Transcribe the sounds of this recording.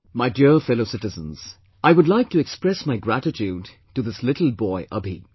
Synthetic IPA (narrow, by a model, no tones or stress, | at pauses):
maɪdiɹfɛloʊsɪtɨzə̃n̩z̥ | aɪwʊdˡlaɪk̚tɨɛkspɹɛsmaɪɡɹæɾɨtʰud̚ | tuðɪslɪɾl̩ˠbɔɪʔʌbḭ